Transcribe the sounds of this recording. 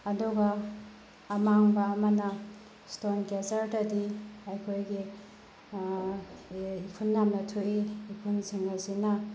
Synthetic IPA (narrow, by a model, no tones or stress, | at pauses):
ɐduɡɐː | maŋbɐːmɐnɐ | stonkezɐɾdɐdiɐjkʰojɡi | ipʰunːamnɐtʰuʔiːpʰunsiŋɐsinɐ